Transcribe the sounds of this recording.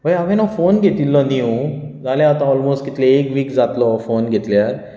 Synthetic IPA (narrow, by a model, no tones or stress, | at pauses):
bʱɐjɐɡenɔfoːnɡet̪ilːoniũzaːleaːt̪ãɔːlmoːsʈkɪt̪leeːkʋiːkzaːt̪lofoːnɡet̪leəɾ